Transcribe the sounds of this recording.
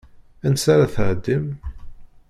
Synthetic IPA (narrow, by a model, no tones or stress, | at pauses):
ænsaɾaθʕəd̪ːim